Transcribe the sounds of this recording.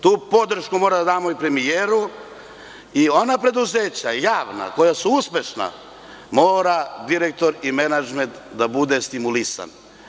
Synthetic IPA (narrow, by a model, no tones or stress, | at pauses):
t̪uːpo̞d̪r̩ʃkumoːɾad̪ad̪aːmoipɾe̞mijeːɾu | io̞napɾe̞d̪uzeːt͡ɕajaːʋna̰ko̞jasuuspʲe̞ʃna̰ | mo̞ːɾad̪iɾek̚t̪o̞ɾime̞nad͡ʒme̞nt̪d̪abud̪e̞st̪imulisa̰n